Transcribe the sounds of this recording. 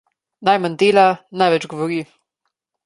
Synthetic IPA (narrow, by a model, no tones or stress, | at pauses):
najmanʲd̪eːlanajvɛt͡ʃɡɔvɔɾi